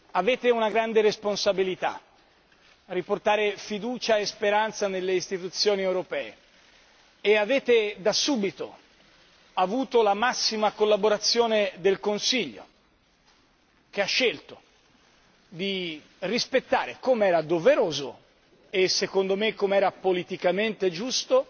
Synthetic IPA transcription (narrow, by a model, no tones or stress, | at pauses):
aveːt̪eunaɡɾand̪eɾesponsabilit̪a̰ | riport̪aːɾefid̪uːt͡ʃaespeɾant̪sanelːeist̪it̪ut̪sːjoːniewɾopɛːe | eaveːt̪ed̪asuːbit̪o̰ | avuːt̪olamasːimakolːaboɾat̪sːjoːned̪elkonsiʎːo̰ | k̟eaʃːelt̪o | d̪i | rispet̪ːaːɾekomeɛːɾad̪oveɾoːzo̰ | esːekond̪omekːomeɛːɾapolit̪ikament̪ed͡ʒust̪o